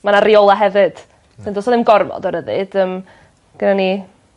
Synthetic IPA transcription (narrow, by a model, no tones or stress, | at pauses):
manariolˠaɦɛvɨd̥ | ɪndɔːsɔðɪmɡɔrmɔ̰dɔɾəðɨ̰d̥əm | ɡ̥ənani